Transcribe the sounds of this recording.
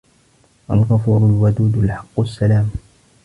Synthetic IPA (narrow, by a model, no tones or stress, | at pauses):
ʔalɣafuːɾʊlwad̪uːd̪lħɑqːʊsːalaːm